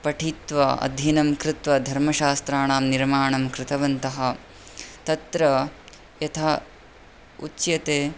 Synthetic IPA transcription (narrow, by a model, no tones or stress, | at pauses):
pɐʈʰiːt̪ʋɐɐ̰d̪ʱjɐnɐmkɾɪt̪ʋɐd̪ʱɐɾmɐʃaːst̪ɾaːɳaːmniɾmaːɳɐmkɾɪt̪ɐʋɐnt̪ɐɦɐ̆ | t̪ɐt̪ɾɐ | jɐt̪ʰaː | ut͡ʃjɐt̪eː